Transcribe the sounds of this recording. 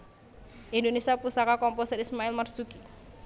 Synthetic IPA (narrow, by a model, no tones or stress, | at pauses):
ʔindonesiapusakakɔmposəɾismaɪlmərsuki